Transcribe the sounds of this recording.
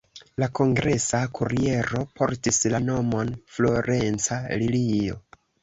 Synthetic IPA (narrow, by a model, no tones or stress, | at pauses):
lakʰo̞ŋɡɾe̞sakʰuɾie̞ɾo̞pʰo̞̰ɾtislano̞mo̞nflo̞ɾe̞nt͡salilio̞̰